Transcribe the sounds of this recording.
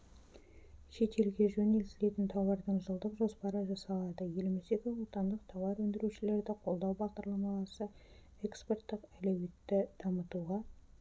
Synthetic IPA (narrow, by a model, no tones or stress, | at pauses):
ʃe̞t̪e̞lɡʲe̞ʒɵnelsɪle̞t̪ɪnt̪ʰɑwɑɾd̪əɴʒəlˠd̪əqʒo̞spɑɾəʒɑsɑlˠɑd̪əje̞lmese̞kʲɪwot̪ɑnd̪əq̚t̪ʰɑwɑɾwɵnd̪ɪɾuʃɪle̞ɾd̪ɪqʰo̞lˠd̪ɑwbɑʁd̪ɑɾlˠɑmɑlˠɑsə | e̞kspe̞rt̪ːɪqælæwe̞t̪ːɪd̪̥ɑmət̪uʁɑ